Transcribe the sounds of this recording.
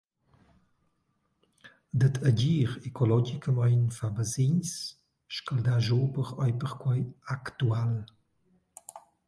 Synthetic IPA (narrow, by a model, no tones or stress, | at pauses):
d̪ət̪ʰəɟiːʁɛkʰɔlɔɡikəmajnfabəziɲs | ʃkəld̪aʒoːbəʁɔjpəʁkwɔjakt̪ual